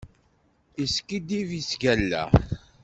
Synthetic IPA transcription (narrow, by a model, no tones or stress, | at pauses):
iskid̪ivisɡælːæ̰